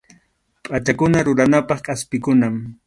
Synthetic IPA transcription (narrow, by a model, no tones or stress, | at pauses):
pʼat͡ʃakʊnaɾʊɾanapɑχkʼaspɪkʊnam